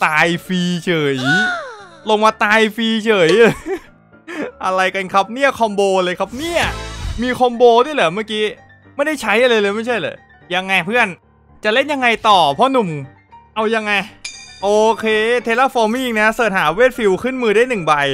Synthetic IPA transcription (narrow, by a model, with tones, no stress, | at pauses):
t̪aː˧jfiː˧t͡ɕʰɤː˩˦j | lo˧ŋmaː˧t̪aː˧jfiː˧t͡ɕʰɤː˩˦j | ʔa˧ɾa˧jka˧nkʰa˦˥p̚ni˥˩ɐkʰɔ˧mboː˧lɤː˧jkʰa˦˥p̚ni˥˩ɐmiː˧kʰɔ˧mboː˧du˥˩˨lɯː˩˦maː˥˩kiː˦˥ | ma˥˩jda˥˩jt͡ɕʰa˦˥jʔa˧lɤː˧lɤː˧jma˥˩jt͡ɕʰa˥˩jlɤː˨˩˦ | ja˧ŋːa˧jpʰɯ˥˩ən | t͡ɕa˨˩le˥˩nja˧ŋːa˧jt̪ɔː˨˩pʰɔ˦˥nu˨˩m | ʔa˧wja˧ŋːa˧jʔoː˧˩kʰeː˧t̪ʰe˧˥la˦˥˩foː˧nma˥˧˨i˧ŋna˦˥sɤː˨˩t̪̚haː˩˦weː˦˥˩t̪̚fi˧wkʰɯ˥˩nmɯː˧daː˥˩jnɯ˨˩ŋba˧j